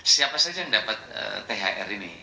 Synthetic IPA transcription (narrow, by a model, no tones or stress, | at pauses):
siapasad͡ʒajŋdapat̪̚ə̰t̪eɦa̰ʔɛ̰ɾinḭ